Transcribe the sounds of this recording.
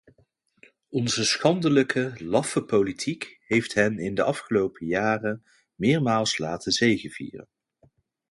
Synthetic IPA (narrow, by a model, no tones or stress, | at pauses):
ɔnzəsχɑndələkʰəlɑfəpowlitʰikɦejftɦɛnɪndəʔɑfχəlowpʰəjaːrən | mɪːɹmaːlˠslaːtənzejχəv̥ḭːrə̰n